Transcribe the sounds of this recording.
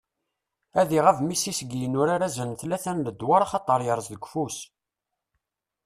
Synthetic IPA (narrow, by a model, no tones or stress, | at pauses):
æðiʁævmisisɡjənʊɾaɾæzənθlæθænləd̪ːwaɾˤɑχɑt̪ˤːəɾˤjəɾˤzðəɡʷfus